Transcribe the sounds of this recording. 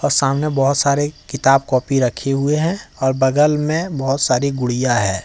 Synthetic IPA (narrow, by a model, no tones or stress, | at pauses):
ɔːɾsaːmnebɐɦʊt̪saːɾekɪt̪aːbkɔːpiɾəkʰeɦʊeɦɛ̃ɔːɾbəɡəlmẽbəɦʊt̪saːɾiɡʊɽ̤ijaɦɛ̃ː